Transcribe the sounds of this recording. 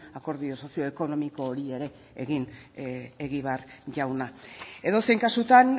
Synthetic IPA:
ako̞ɾðio̞so̞sio̞eko̞no̞miko̞ːɾie̞ɾe̞ | eɣin | eɣiβ̞eaɾʝawnae̞ðo̞seŋkasut̪an

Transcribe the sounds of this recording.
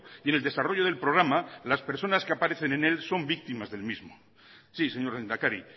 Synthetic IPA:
ieneld̪e̞saro̞ʝo̞ð̞e̞lpɾoɣɾamalaspeɾso̞naskeapaɾe̞θe̞nẽne̞lso̞mbik̚t̪imazðelmizmo | sise̞ɲo̞ɾend̪akaɾi

